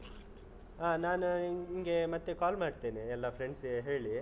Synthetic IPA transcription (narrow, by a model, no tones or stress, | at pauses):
ɦaːnaːnuiŋɡe̞mɐt̪ːekaːlmaːɖt̪eːneɛlːɐpʰɾeɳɖseɦeːɭi